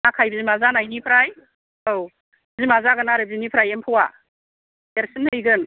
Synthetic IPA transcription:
akʰajbzimazanajnipʰɾaj | ow | bzimazaɡɯnaɾɯb̚zinipʰɾajempʰɯwa | eɾsɯnɯjɡɯn

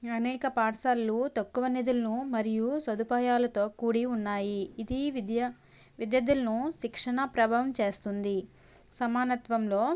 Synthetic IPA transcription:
ɐnɛːkɐpaːʈsaːlːut̪ɐkːuʋɐnid̪ulɐnumɐɾijusɐd̪upaːjaːlɐt̪o̞ːkuːɽiunːaːjiːd̪iʋd̪jɐ | ʋid̪jɐd̪ulɐnuʃikʂɐɳɐpɾɐbʱaːʋɐmt͡ʃe̞ːst̪und̪i | sɐmaːnɐt̪ʋɐmlo̞ː

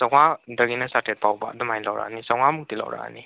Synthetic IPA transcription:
saŋadəɡinasatʰɛt̚pawba̰dəmajlawɾa̰nisaŋwamutila̰wɾa̰ni

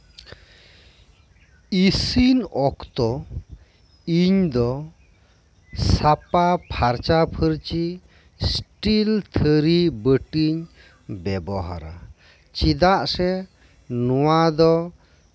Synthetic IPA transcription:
isinɔkt̪ɔ | iɲd̪ɔ | sapapʰaɾt͡ʃapʰəɾt͡ʃi | sʈilt̪ʰəɾibəʈiɲ | bɛbɔɦa̰ɾa̰ | t͡ʃid̪aʔsɛ | nɔwad̪ɔ

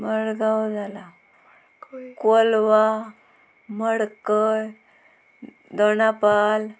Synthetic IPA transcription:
məɽɡawd͡zala | kolʋa | məɽkəj | d̪onapal

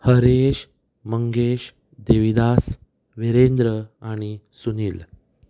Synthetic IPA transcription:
həɾeɕ | məŋɡeɕ | d̪eʋid̪as | ʋeɾend̪ɾəaɽ̃isuniːl

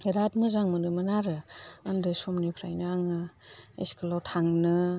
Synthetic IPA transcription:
ɾat̚mɯzaŋmɯnɯmɐnaɾɯandɯsomnipʰɾa̰jnɯaŋɯḛskʰɯlawtʰaŋnɯ

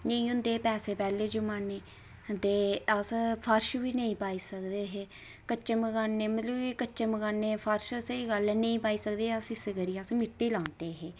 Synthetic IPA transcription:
nə̃ĩːɦʊ̃nd̪eːpɛːseːpɛːleːd͡ʒʊmaːneː | d̪eːəspʰəɾʃʋiːnəĩːpaːiːsəkd̪eːɦeː | kət͡ʃeməɡaːnːeːmət̪ləbiːkəːt͡ʃeməɡaːnːeːpʰəɾʃseiːɡəlɛnəĩːpaːiːsəkd̪eːəsɪsekəɾiːasmɪʈːiːlãːnd̪eːɦeː

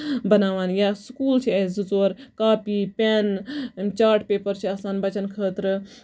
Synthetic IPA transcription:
bɐnaːʋaːnjaːskuːlt͡ʃʰiezɨzoːɾkaːpiːpʲɛːnt͡ʃaːɾʈpeːpəɾt͡ʃʰiɐsãːnbɐt͡ʃɐnkʰəːt̪ɾ

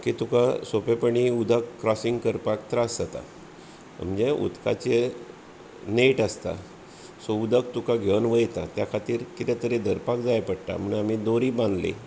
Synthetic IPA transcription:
kit̪ukasopepəɳiud̪ʱəkːɾɔsiŋɡkəɾpak̚t̪ɾasd͡zat̪a̰ | m̤əd͡ʑeʔṵt̪ka̰t͡ɕe | neʈəst̪a̰ | soud̪ʱək̚t̪ukaɡʱeʋnʋəjt̪at̪jakʰat̪iːɾkit̪ɛt̪əɾed̪əɾpak̚d͡zajpəɽʈ̪a̰m̤əɳamid̪oɾiːbãnd̪lḛ

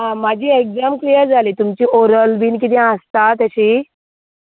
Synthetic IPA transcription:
ɦãmad͡ʑʱiːekd͡zamklijəɾd͡zʱaliːt̪umt͡ɕiːʔoɾəlbiːnkit̪ĩãst̪at̪̬əɕiː

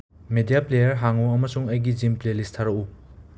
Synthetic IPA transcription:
medijaplejɐɾɦaŋuɐmɐsuŋɐjɡid͡ʒimplelistʰaɾɐku

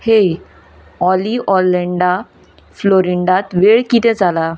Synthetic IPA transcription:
he | ɔliʔɔleɳɖa | floɾiɳɖat̪ʋeɭkit̪ɛ̃d͡zala

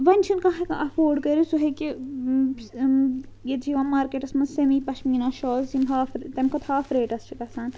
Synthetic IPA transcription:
ʋɐnʲt͡ʃʰinkɐɦɐkɐʔɐfoːɾɖkɐɾisuɦɐki | jet̪d͡ʒiʋãːmaːɾkeʈɐsmɐnsemiːpɐʃmiːnaːʃɔːzimɦaːfɾt̪ɐmkʰɐt̪haːfɾeːʈɐst͡ʃʰikɐsaːn

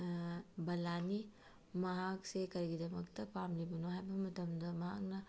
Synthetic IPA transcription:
bɐlani | mɐɦaksekɐɾɡidɐmɐk̚t̪ɐpamlibunoɦajbɐmɐt̪ɐmd̪ɐmɐɦak̚nɐ

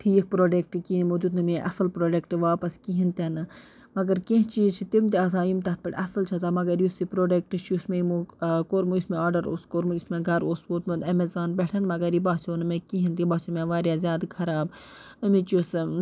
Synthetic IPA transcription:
ʈʰiːk̚ʰpɾoːɖek̚ʈɨkinmod̪ut̪nɨmeʔɐ̰sɐlpɾoːɖekʈɨʋaːpɐskiɦint̪ɐnɨ | mɐɡɐɾkẽɦt͡ʃiːt͡ʃʰit̪imt̪iaːsãːjumt̪ɐt̪̚pɐʈʲɐsɐlt͡ʃʰɐzaːmɐɡɐɾjusipɾoːɖek̚ʈɨt͡ʃʰjusmeimokoːɾmujusmẽaːɖɐɾoːskoːɾmuusmeɡɐɾoːsʋoːt̪mɐd̪ɐmezaːnbʲeʈʰɐnmɐɡɐɾibaːsoːnɨmẽkiɦint̪ibaːsimẽʋaːɾjaːzʲjaːd̪kʰɐɾaːb | ɐmet͡ʃus

